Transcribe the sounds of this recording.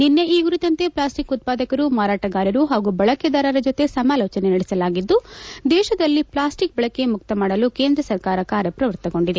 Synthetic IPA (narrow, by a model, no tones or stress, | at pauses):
ninːeiːɡɾut̪ɐnt̪eplaːsʈikut̪̚paːd̪ɐkɐɾumaːɾaːʈɐɡaːɾjɐɾuɦaːɡubɐɭɐked̪ɐːɾɐɾɐd͡ʒot̪e̞sɐmaːloːt͡ʃɐnenɐɽɛsɐlaːɡid̪ːud̪ɛːʃɐd̪ɐlːiplaːsʈik̚bɐɭɐkːe̞muk̚t̪ɐmaːɽɐluke̞ːnd̪ɾɐsɐɾkaːɾɐkaːɾjɐpɾɐʋɐɾt̪ɐɡo̞ɳɖid̪e